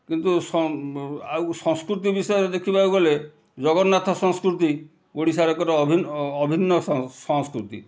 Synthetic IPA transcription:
kint̪usɔawsɔŋskɾut̪̬ibisɔjɔɾed̪ekʰibawɡɔle | d͡ʒɔɡɔnːat̪ʰɔsɔŋskɾut̪̬i | oɽisaɾɔkɔɾɔɔbʱinːbʱinːɔsɔŋskɾut̪ḭ

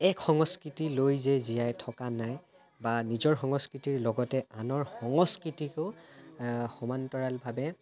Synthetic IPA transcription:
ɛkxɔŋɔskɹitilojzɛzijajtʰɔkanaj | banizɔɹxɔŋɔskɹitiɹlɔɡɔtɛanɔɹxɔŋɔskɹitikʊ | xɔmantɔɹalbʱabɛ

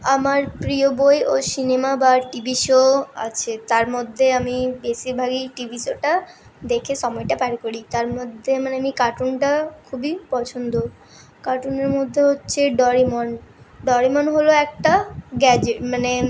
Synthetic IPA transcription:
amaɾpɾiobojosinemabaʈibiʃoa̰t͡ɕʰet̪aɾmod̪ʱːeamibesikbʱaɡiʈibiʃoʈa | d̪ekʰeʃɔmɔeʈapaɾkoɾit̪aɾmod̪ʱːemaneamikaʈunʈakʰubipɔt͡ɕʰond̪o | kaʈuneɾmod̪ʱːeɦotːɕʰeɖɔɾimɔnɖɔɾimonɦoloɛk̚ʈaɡɛd͡ʑeʈmane

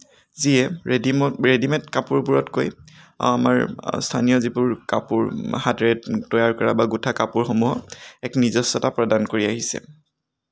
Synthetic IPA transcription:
ziɛ | ɹedimɛntkapuɹbuɹɔtkoj | ama̰ɹstʰanijɔzibʊɹka̰puɹhadɹɛtɔjaɹkɔɹabaɡutʰakapuɹxomuɦɔɛknizɔsːɔtapɹɔdankoɹiaɦisɛ̰

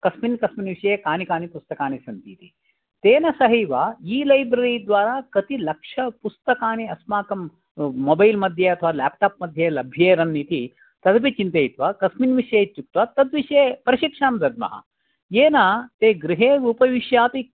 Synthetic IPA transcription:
kɐsminkɐsminʋiʂɐjeːkaːnikaːnipust̪ɐkaːnisɐnt̪iːt̪i | t̪eːnɐsɐɦiːʋaːiːlɐjbɾɐɾiːd̪ʋaːɾaːkɐt̪ilɐkʂɐpust̪ɐkaːniɐsmaːkɐmː | obɐjlmɐd̪ʱjeɐt̪ʰɐʋaːlaːp̚ʈaːp̚mɐd̪ʱjelɐbʱjeːɾɐnːiːt̪i | t̪ɐd̪ɐpit͡ʃint̪ejit̪ʋaːkɐsminʋiʂjeːt͡ʃːuk̚t̪ʋat̪ɐd̪ʋiʂjeːpɐɾɐʃikʂaːmd̪ɐd̪̚mɐ̰ɦɐ̰ | jeːnaːt̪eːɡɾiɦeːɾuːpɐʋiʃjaːp̪i

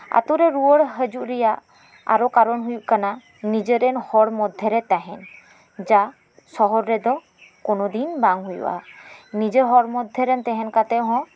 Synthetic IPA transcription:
a̰t̪uɾɛɾuwəɽɦəd͡ʒuʔɾɛjaʔ | a̰ɾɔkaɾɔnɦujuʔ̚kana | nid͡ʒəɾɛnhɔɽmɔd̪ʱjɛɾɛt̪aɦɛn | d͡ʒa | sɔɦɔɾːɛd̪ɔ | kɔnɔd̪inbaŋɦujṵwʔa̰nid͡ʒeɦɔɽmɔd̪ʱjɛɾɛnt̪ɛɦɛnkat̪ɛʔɦɔ̃

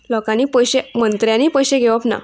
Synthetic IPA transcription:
lɔkãniːpəjɕemənt̪ɾjãniːpəjɕeɡʱeʋəpna̰

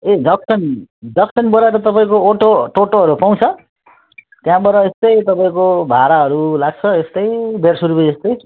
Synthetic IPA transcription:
edʌksʌnɖʌksʌnbʌɾaeɾʌt̪ʌpaĩkoːʈoʈoʈoɦʌɾupaw̃t͡sʰʌ | t̪jãbʌɾʌest̪ʌjt̪ʌpãĩkobʱaɾaɦʌɾulaɡ̚t͡sʰʌest̪ʌjbʱersuɾubʌd͡zʌst̪ʌj

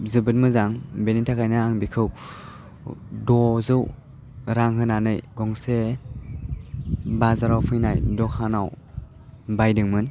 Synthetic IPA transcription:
zɯbɯt̚mɯzaŋbenitʰakʰajnaːŋbikʰɯw | dɔzɯw | ɾaŋɦɯnanɯjɡɔŋse | bazaɾawpʰɯjnajdɔkʰanaw | bajdɯŋmɯn

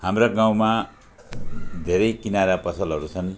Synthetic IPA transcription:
hamraɡãw̃ma | d̪ʱeɾʌjkinaɾapʌsʌlɦʌɾut͡sʰʌn

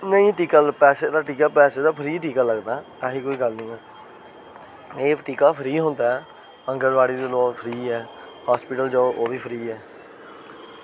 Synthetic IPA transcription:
nəĩːʈiːkaːlpɛːseːd̪aːʈiːkaːpɛːseːd̪aːpʰəɾiːʈiːkaːləɡd̪aːkaːɦiːkoːiːɡəlnĩːɛː | eːʈiːkaːpʰəɾiːɦõːnd̪aːɛ | ə̃ŋɡəɾʋaːɽiːd̪eːloːpʰɾiːɛː | haːspɪːʈəld͡ʒoːʔoːʋiːpʰəɾiːɛː

